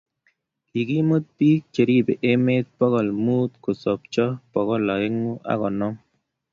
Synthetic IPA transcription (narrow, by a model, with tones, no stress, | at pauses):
ki˨ki˦mo˦t̪̚pi˦k̚t͡ʃe˨ɾi˦be˨ʔe˦me˦t̪̚pɔ˦ɣɔ˨lmu˦t̪̚ko˨sɔ˨pt͡ʃɔ˦pɔ˨ɣɔ˦la˨ɪ˦ŋu˦ʔa̰˦kɔ˨nɔ˦m